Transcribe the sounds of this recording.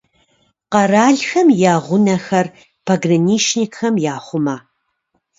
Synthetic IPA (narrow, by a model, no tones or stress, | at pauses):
qɐraːɮxɐmjaːʁʷʊnɐxɐr | pʰɐɡrɐniːʃnikxɐmjaːχʷʊmaː